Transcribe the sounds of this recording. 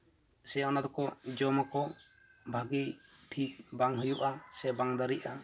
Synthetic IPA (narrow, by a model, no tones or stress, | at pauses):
sɛɔnad̪ɔkɔd͡ʒɔmakɔ | bʱaɡiʈʰik̚baŋɦɯjuʔasɛbaŋd̪aɾiʔa